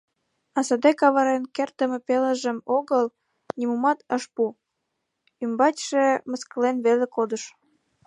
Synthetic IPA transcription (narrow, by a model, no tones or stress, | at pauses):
ɑsɑd̪ekɑβɑɾenkert̪əmepeləʒəmoɣəl | nimumɑt̪əʃpu | ymbɑt͡ɕʲʃeməskəlenβelekod̪əʃ